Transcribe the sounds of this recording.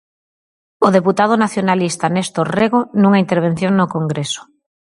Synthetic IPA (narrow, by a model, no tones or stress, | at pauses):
oð̞eput̪að̞ʊnaθjonalist̪anest̪oreɣonũŋaint̪eɾβ̞en̟θjoŋnokoŋɡɾeso̥